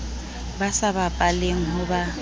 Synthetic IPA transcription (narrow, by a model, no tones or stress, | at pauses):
basabapʼaleŋ̩ɦʊba